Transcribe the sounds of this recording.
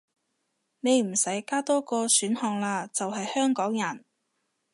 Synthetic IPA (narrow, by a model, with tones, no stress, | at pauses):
ne˨˧jm̩˨˩sɐ˨˥jkaː˥t̪ɔː˥kɔː˧syː˨˥nhɔː˧ŋlaː˧t͡sɐ˨wɦɐ˨jhœː˥ŋkɔː˨˥ŋjɐ˨˩n